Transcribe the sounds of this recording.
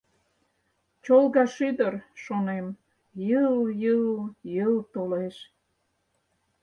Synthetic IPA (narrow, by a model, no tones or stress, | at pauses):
t͡ɕolɣɑʃyd̪ərʃonem | jəljəljəlt̪oleʃ